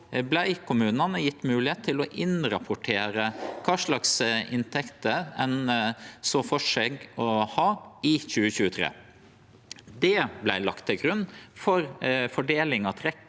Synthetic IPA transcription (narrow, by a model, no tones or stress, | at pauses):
blæɪkʰʊmʉːnɑnəjɪt̪ːmʉːlɪheːt̪ʰːɪlɔʔɪnɾɑpʰʊʈʰeːɾəkʰɑːʂɭɑksɪnt̪ʰɛkt̪əɛnsoːfɔʂeɡɔhɑːɪçʉːəçʉːət̪ʰɾḛː | d̪ɛblæɪlɑ̰kt̪ʰːɛlɡɾʉnːfɔɾfɔɖeːlɪŋɑt̪ʰɾɛk